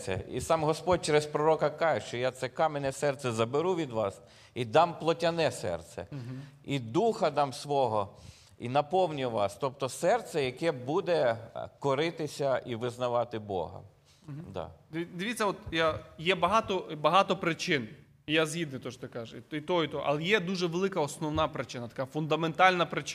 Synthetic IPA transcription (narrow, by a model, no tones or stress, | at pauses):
sɛ̰ḭsɑmɦɔspɔd̚ʲt͡ʃɛɾɛspɾɔɾɔkɐkɑʒɛʃt͡ʃɔjat̪sɛkɑmenɛsɛrt̪sɛzɐbeɾuʋʲid̪ʋɑs | id̪ɑmplˠɔtʲɐnɛsɛ̰rt̪sɛ̰id̪uxɐd̪ɑmsʋɔɦɔ | inɐpɔwnʲiʋɑ̰st̪ɔp̚t̪ɔsɛrt̪sɛjɐkɛbud̪ɛkɔɾɪt̪ɪsʲɐʔiʋɪznɐʋɑt̪ɪbɔ̰ɦɐ̰ | d̪ɑ̰d̪d̪ɪʋʲit͡sʲːɐɔt̪jajɛbɐɦɑt̪ɔbɐɦɑt̪ɔpɾɪt͡ʃɪn | ijazɦʲid̪nɪt̪ɔʃt̪ɪkɑʒɛiit̪ɔit̪ɔʔɐ̰lˠɛjɛd̪uʒɛʋelˠɪkɐɔsnɔwnɑpɾɪt͡ʃɪnɐt̪ɐ̥kɑfʊnd̪ɐment̪ɑlʲnɐpɾɪt͡ʃ